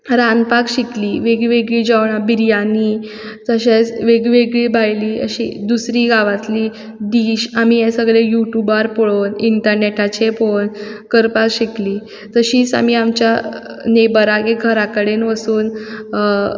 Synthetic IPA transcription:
ɾãnpakɕikliːʋeɡiʋeɡɭiːd͡ʑaʋɳ̃abiɾjaniː | t̪əɕat͡sʋeɡʋeɡɭiːbʱajliːə̰ɕḭd̪usɾiːɡaʋat̪liː | d̪iːɕamiẽsəɡɭejuʈjubaɾpoɭoniɳʈəɾneʈat͡ɕeponkəɾpakɕikliː | t̪əɕiːt͡sa̰m̤iamt͡ɕja | nebəɾaɡeɡʱəɾakəɽenʋəsuːn

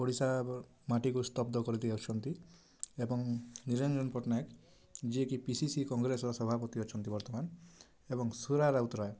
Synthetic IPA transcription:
pɔɽisa | maʈikust̪ɔb̚d̪ɔkɔɾit̪iawt͡ʃʰɔnt̪i | ebɔŋniɾenɾɔnpɔʈnak | d͡ʒiekipisisikɔŋɡɾesɔɾɔsɔbʱapɔt̪iɔt͡ʃʰɔnt̪ibɔɾt̪ɔman | ebɔŋsuɾaɾaut̪ɾae

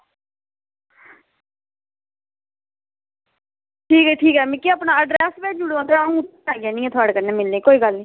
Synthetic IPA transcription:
ʈʰiːkɛːʈʰiːkɦɛːmĩkiaːpnaːəɖɾɛːsbɛːd͡ʒʊɽãd̪eaũːʊt̪ːaːɡɪjaːnĩːɛ̃ːt̪ʰʊaːɽkəɾneːmɪlneːkoːiːɡəlnĩː

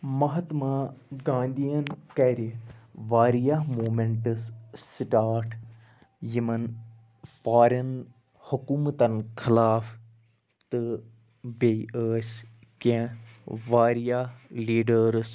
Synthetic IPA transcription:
mɐɦɐt̪maːɡãːnd̪ijɐnkɛːɾiʋaːɾijaɦmoːmeɳʈɨssʈaːɾʈ | jimɐn | faːɾen | hukuːmt̪ɐnkʰɪlaːf | t̪ɨ | beʔəːs | kẽ | ʋaːɾijahliːɖəɾs

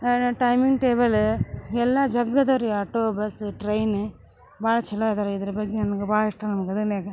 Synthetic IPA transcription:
ʈɐjmiŋɡʈeːbɐlɛlːɐd͡ʒɐɡːɐd̪ɐɾiaːʈoːbɐsʈɾɐjn | baːɭɐt͡ʃɛlːɐid̪aːɾeid̪ɐɾɐbɐɡːenɐmɐɡebaːɭiʂʈɐnɐmɐɡɐd̪ɐneːɡɐ

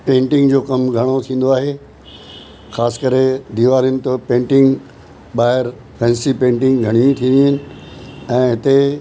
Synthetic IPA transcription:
pẽːɳʈɪ̃ŋɡd͡ʑoːkɐmɡʱɐɽ̃ot̪ʰĩːn̆d̪oaːɦe | xaːsɪ̥kɐɾed̪iːʋaːɾijənɪ̆t̪ɐpẽːɳʈɪ̃ŋɡ | ɓaːɦɪɾ | fʰɛ̃ːnsipẽːɳʈɪ̃ŋɡɡʱɐɽ̃iĩt̪ʰĩːnd̪iɦɪnɪ̆ | ɛ̃ːɦɪt̪e

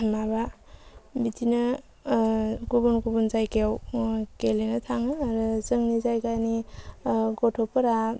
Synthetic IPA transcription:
maba | bitʰinɯ | ɡubunkubunzajkewkelenɐtʰaŋɯːɾɯzɯŋnizajkani | ɡɔtʰɔpɯɾa

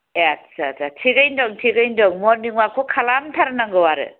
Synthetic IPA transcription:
asasʰatʰiɡɯjndɔŋtʰiɡɯjndɔŋmɔɾniŋwakʰokʰalamtʰaɾɯnaŋɡɯwaɾɯ̰

